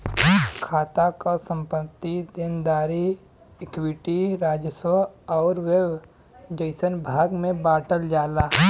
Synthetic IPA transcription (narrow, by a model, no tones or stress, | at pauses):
kʰaːt̪akasə̃mpət̪ːid̪ɪnd̪aːɾi | ekwɪʈiɾaːd͡ʒəsəɔːɾweb | d͡ʒəɪsənbʱaːɡmẽbaːʈəld͡ʒaːlaː